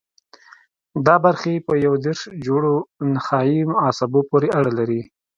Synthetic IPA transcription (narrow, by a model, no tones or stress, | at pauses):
d̪ɑbaɾxeepəjawd̪eɾʃd͡ʒoɽonaxɑjimʊɑsɪbopoɾeaɽalaɾi